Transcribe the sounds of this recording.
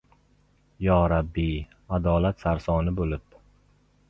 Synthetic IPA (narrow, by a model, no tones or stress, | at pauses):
jɒːɾabːi | ad̪ɒːlat̪saɾsɒːnɪbolɪp̚